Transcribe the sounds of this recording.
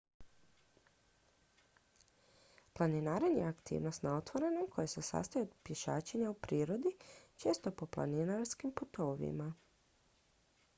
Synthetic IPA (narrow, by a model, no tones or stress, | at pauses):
planinaːɾanjeakt̪ḭːʋno̞st̪nao̞t̪ʋo̞ɾe̞nomkʰo̞jese̞sa̰st̪ajeod̪pje̞ʃaːt͡ɕeɲaupɾiːɾo̞d̪it͡ʃe̞ːst̪o̞po̞plˠa̰ninaɾskimput̪oːʋḭma